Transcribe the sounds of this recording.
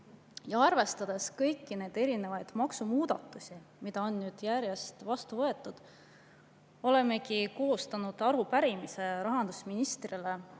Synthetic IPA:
jɑɑrve̞st̪ɑd̪̥e̞skɤjkːine̞jd̪e̞ɾine̞vɑjd̪̥mɑksumuːd̪̥ɑ̰t̪ːˑusʲimid̪ɑo̞nːyːd̪̥jæɾje̞st̪vɑst̪uvɤ̞e̞t̪ːˑud̪̥ | o̞le̞me̞kiko̞ɦust̪ɑnud̪ɑɾupæɾimise̞ɾɑɦɑnd̪̥usminist̪rile

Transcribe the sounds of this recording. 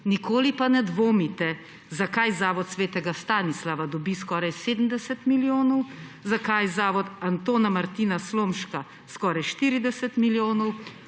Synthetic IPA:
nikoːlipanɛd̪ʋoːmit̪ɛ | zakajzaːʋɔt̪sʋeːt̪ɛɡast̪aːnislaʋad̪ɔbiskɔːɾajseːd̪əm̩d̪ɛsɛt̪miljoːnɔwzakajzaːʋɔt̪ant̪oːnamaɾt̪iːnasloːmʃka | skɔːɾajʃt̪iɾid̪ɛsɛt̪miljoːnɔw

